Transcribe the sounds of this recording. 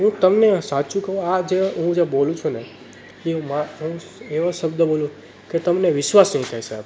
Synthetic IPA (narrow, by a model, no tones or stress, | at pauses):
ɦũt̪əmnesat͡ʃũkəũad͡ʒeɦũd͡ʒebolũt͡ʃʰune | imaɦũ | eʋãʃəbd̪əbolũ | ket̪əmneʋɪʃʋasnəɦĩt̪ʰaɦisab